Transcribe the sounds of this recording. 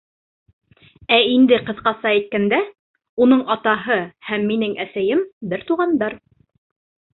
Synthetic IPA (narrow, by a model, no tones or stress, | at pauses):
æind̪ɘqɤ̆ðqɑsɑæjt̪̚kænd̪æ | un̪ɤɴɑt̪ɑɦɤhæmːinɘŋæsæjɘmbɘɾt̪uʁɑnd̪ɑɾ